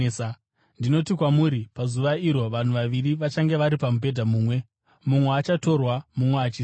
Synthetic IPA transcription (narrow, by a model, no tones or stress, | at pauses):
ndino̞tikwamuɾipazuʋaiɾo̞ʋan̤uʋaʋiriʋat͡ʃaŋɡe̞ʋaɾipamup̬e̞dʱamuːmwe̞ | mumweat͡ʃato̞rwamumweat͡ʃiː